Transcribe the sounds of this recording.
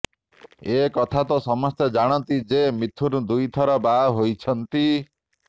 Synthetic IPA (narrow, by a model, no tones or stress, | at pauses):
ekɔt̪ʰat̪ɔsɔmɔst̪jɔd͡ʒaɽ̃ɔnt̪id͡ʒemit̪ʰuɾud̪ujt̪ʰɔɾɔbaɦojt͡ʃʰɔnt̪i